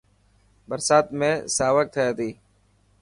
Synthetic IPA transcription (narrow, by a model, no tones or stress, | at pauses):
bəɾsaːt̪mẽːsaːʋək̚t̪ʰəjaːt̪iː